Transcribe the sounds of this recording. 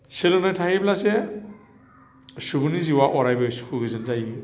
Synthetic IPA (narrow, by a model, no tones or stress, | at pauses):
selonɔjtʰahiblase | subuniziwaʔɔɾajbɯsu̥kʰuɡɯzɯnzaji